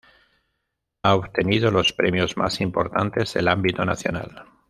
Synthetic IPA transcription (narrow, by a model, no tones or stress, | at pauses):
aoβt̪eniðolo̞spɾemjozma̰simpo̞ɾt̪ant̪ezðḛlambit̪o̞na̰θjo̞na̰l